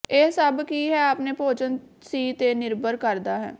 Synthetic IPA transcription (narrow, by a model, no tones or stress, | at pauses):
eːsəbkiːɦɛːaːpneːpoːd͡ʒən | siːt̪eːnɪɾbəɾkəɾd̪aːɦɛ̰ː